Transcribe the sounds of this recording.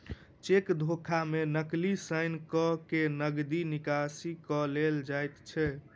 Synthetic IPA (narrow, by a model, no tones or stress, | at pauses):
t͡ʃekd̪ʱokʰamenəklisəɪnkɔkenəɡd̪inikasikɔleld͡ʒajt̪t͡ʃʰɛ